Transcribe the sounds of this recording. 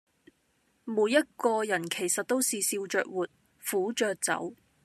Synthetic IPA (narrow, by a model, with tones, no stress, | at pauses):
muː˨˧jːɐ˥t̚kɔː˧jɐ˨˩nkʰe˨˩jsɐ˨t̚t̪o˥wsiː˨siː˧wt͡ʃœ̰ː˧k̚wuː˨t̚ | fuː˨˥t͡ʃœː˨k̚t͡sɐ̰˨˥w